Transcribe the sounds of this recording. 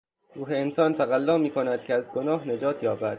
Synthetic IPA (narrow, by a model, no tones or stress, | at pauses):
ɾuːɦeːnsɒːnt̪ʰæɣælːɒːmiːkʰo̞næd̪̥̚cʰeæzɡonɒːɦne̞d͡ʒɒːt̪ʰjɒːbæd̪̥